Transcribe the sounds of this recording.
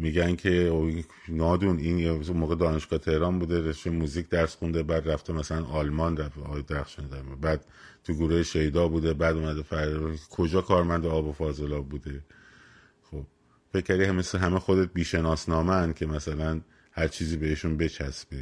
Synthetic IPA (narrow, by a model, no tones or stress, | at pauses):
miːɟænkʰe̞oi | nɒːd̪uninunmoːɣed̪ɒːne̞ʃɡ̥ɒːet̪ʰe̞hɾɒːnbuːd̪e̞ɾeʃt̪ejemuːziːkʰd̪æɾsxund̪ebæːd̪ræft̪ʰemæsælænʔɒːlmɒːnɾæfɒːjd̪eɾæxʃenid̪æɾmbæːd̪̥̚ | t̪ʰuɡuɾuheʃe̞jd̪ɒːbuːd̪ebæːd̪uːmæd̪efæɾkʰod͡ʒɒːkʰɒːɾmænd̪eɒːbo̞fɒːzelɒːbuːd̪e̞ | xob̥̚ | fe̞cʰːæɾd̪imeseɦæmexo̞d̪e̞t̪̚biːʃe̞nɒːsnɒːmeænd̪̥̚cʲʰe̞mæsælæn | hæɾt͡ʃʰiːziːbeeʃunbe̞t͡ʃʰæsb̥e